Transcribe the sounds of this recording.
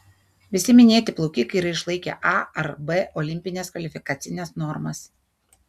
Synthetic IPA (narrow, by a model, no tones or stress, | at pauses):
ʋʲɪsʲɪmʲɪnʲeːt̪ʲɪplˠɔʊkʲiːkɐɪɾɐɪʃlˠɐɪkʲɛ̰ʔɑɐɾbɛʔɔlʲɪmʲpʲɪnʲeːskʋɐlʲɪfʲɪkɐːt̪sʲɪnʲɛsnɔɾmɐs